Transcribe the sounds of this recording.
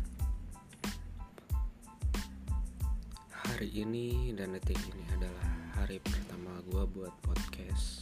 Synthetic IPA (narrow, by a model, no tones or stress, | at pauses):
haɾiʔːnidandət̪ikiniadalahːaɾipərt̪amaɡuabuat̪̚pɔt̪̚kʰɛs